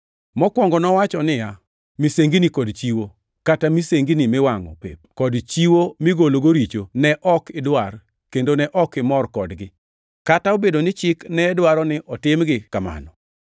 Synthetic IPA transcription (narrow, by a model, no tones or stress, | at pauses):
mɔkwɔŋɡɔnɔwat͡ʃɔnɪja | miseŋɡinikɔdt͡ʃiwo | katamiseŋɡinimɪwaŋɔ̰pḛp̚kɔdt͡ʃiwomɪɡoloɡoɾit͡ʃonɛʔɔkɪdwar | kendonɛʔɔkɪmɔrkɔdɡɪ | kataobedonɪt͡ʃɪknɛdwaɾɔnɪʔɔtɪmɡɪkama̰nɔ